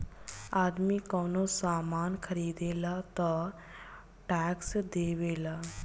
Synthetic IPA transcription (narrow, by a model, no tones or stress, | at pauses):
aːd̪mikɔːnosaːmaːnkʰəɾiːd̪eːlat̪ɔ̃ː | ʈɛːksd̪eːʋeːlaː